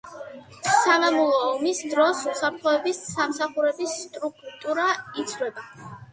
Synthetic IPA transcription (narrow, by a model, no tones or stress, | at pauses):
savamulˠɔːmisd̪ɾɔsusapʰɾt̪ʰχɔɛbisamsaχuɾɛbisːt̪ʼɾukʰt̪ʼuɾait̪sʰɾɛba